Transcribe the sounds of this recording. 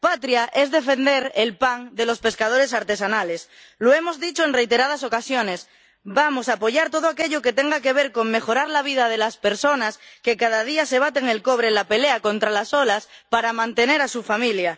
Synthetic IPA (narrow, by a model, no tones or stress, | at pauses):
pat̪ɾjaʔe̞zðe̞fe̞nd̪e̞ɾelpaŋd̪e̞lo̞spe̞skað̞o̞ɾe̞saɾt̪e̞sanale̞s | loe̞mo̞zðit͡ʃoeŋre̞jt̪e̞ɾað̞aso̞kasjo̞ne̞s | bamo̞saːpo̞ʝaɾt̪o̞ð̞oake̞ʎoke̞t̪e̞ŋɡake̞βe̞ɾko̞ŋme̞xo̞ɾaɾlaβ̞iðað̞e̞laspe̞ɾso̞naskekað̞að̞iase̞βat̪e̞ŋe̞lko̞β̞ɾenlape̞leako̞nt̪ɾalaso̞laspaɾamãnt̪e̞ne̞ɾasufamilja